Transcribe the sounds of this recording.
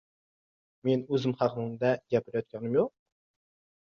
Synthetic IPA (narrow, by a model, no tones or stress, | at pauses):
menøzɪmχæqʰənɨŋd̪ɛɡʲɛpʰɪɾjɔt̪̚kʲʰɑnɪmjoq̚